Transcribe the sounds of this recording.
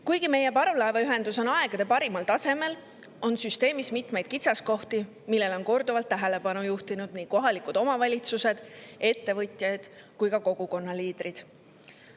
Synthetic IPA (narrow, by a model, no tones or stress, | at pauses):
kujɡ̥ime̞je̞pɑɾvlɑeveyɦe̞nd̪uso̞nɑe̞ɡ̥ɑd̪̥e̞pɑɾimɑlt̪ɑse̞me̞l | o̞nsyst̪e̞ːmismit̪ˑme̞jd̪̥kit̪sɑsko̞ht̪i | milːe̞lo̞nko̞rd̪uvɑlt̪ːæɦe̞le̞pɑnujuht̪inud̪̥niːko̞ɦɑlikud̪̥o̞mɑvɑlʲit̪suse̞d̪̥e̞t̪ːe̞vɤt̪ʲˑjɑd̪̥kujkɑko̞ɡ̥uko̞nːɑliːd̪̥rid̪̥